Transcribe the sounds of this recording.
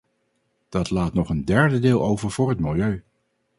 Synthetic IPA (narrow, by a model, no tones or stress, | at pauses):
d̥ɑtlaːtnɔχəndɛɹdədɪːlˠowvəɹvʊːɹɦətmɪlˠjøɥ